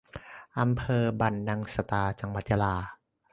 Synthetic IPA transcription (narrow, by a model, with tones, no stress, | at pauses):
ʔa˧mpʰɤː˧ba˧˩nːa˧ŋsa˧t̪aː˧t͡ɕa˧ŋwa˧˦t̪̚ja˧laː˧